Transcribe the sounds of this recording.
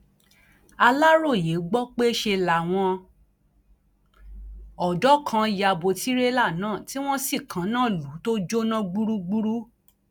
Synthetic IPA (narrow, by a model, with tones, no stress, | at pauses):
a˧la˦ɾo˦˨je˨˦ɡ͡bɔ˦k͡pe˦ʃe˧la˨w̃ɔ̃˧ | ɔ˨dɔ˨˦kʰã˧ja˨bo˨ti˨˦ɾe˦la˦˨nãː˨˦˨ti˦w̃ɔ̃˦si˦˨kʰã˨˦nãː˦˨lu˨˦to˦d͡ʒo˦nã˦ɡ͡bu˦ɾu˦ɡ͡bu˦ɾu˦